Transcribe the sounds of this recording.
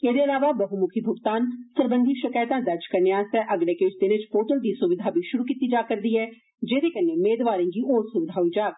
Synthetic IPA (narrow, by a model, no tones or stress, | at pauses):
eːd̪eːəlaːʋaːbəɦumʊkʰiːbʱʊɡt̪aːnsəɾbənd̪ʱiʃɪkaːt̪ãːd̪əd͡ʒkəɾneːaːsɛːʔəɡɽeːkeːt͡ʃd̪ɪnet͡ʃpʰoːʈ̪əld̪iːsʊʋɪd̪ʱaːbʱiːʃʊɾuːkiːt̪iːd͡ʒaːkəɾd̪iːɦɛː | d͡ʒeːd̪eːkəneːmeːd̪ʋaːɾẽːɡiːʔoːɾsʊʋɪd̪ʱaːɦoiːd͡ʒaːt̪